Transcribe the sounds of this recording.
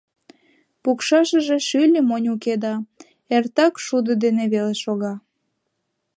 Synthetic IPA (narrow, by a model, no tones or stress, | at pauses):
pukʃɑʃəʒeʃylʲəmonʲuked̪ɑ | ert̪ɑkʃud̪əd̪eneβeleʃoɣɑ